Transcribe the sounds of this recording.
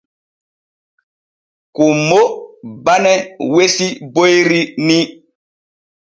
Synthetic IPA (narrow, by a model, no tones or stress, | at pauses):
kumobanɛwesibojɾini